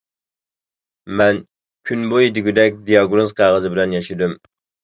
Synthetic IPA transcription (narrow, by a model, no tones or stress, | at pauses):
mɛn | kʲʰynbojid̪ɪɡʲyd̪ɛk̚ʲd̪ijɑɡnozqʰæʁəzɨbɪlɛnjɑʃɪd̪ym